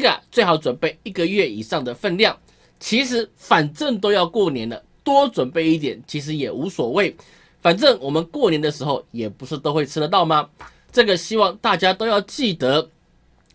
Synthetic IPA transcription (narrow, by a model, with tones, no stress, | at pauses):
ɡa̰˨˩t͡swe˥˩ɪxɑ˧˥ʊʈ͡ʂwə˨˩npe˥˩ɪi˥˩ɡə˨ɥɛ˥˩ḭ˨˩ʂɑ˥˩ŋd̪ə˩fə˥˧nljɑ˥˩ŋ | t͡ɕʰi˧˥ʂ̬ɻ̩˧˥fa˨˩nʈ͡ʂə˥˩ŋt̪o˥ʊjɑ˥˧ʊkwɔ˥˩njɛ˧˦˥nə˨t̪wɔ˥ʈ͡ʂwə˨˩npe˥˧ɪi˥˩t̪jɛ̰˨˩˦nt͡ɕʰi˧˥ʂ̬ɻ̩˧˥jɛ˨˩u˧˥swɔ˨˩we˥˩ɪ | fa˨˩nʈ͡ʂə˥˩ŋwɔ˨˩mə˨˦nkwɔ˥˩njɛ˧˥nd̪ə˨ʂ̬ɻ̩˧˥xo˥˨ʊjɛ˨˩pu˧˥ʂɻ̩˥˧t̪o˥ʊxwe˥˩ɪʈ͡ʂʰɻ̩˥də˨t̪ɑ˥˩ʊma˨ | ʈ͡ʂɤ˥˩ɡə˩ɕi˥wɑ˥˧ŋt̪a˥˩t͡ɕja˥t̪o˥ʊjɑ˥˧ʊt͡ɕi˥˩t̪ə˧˦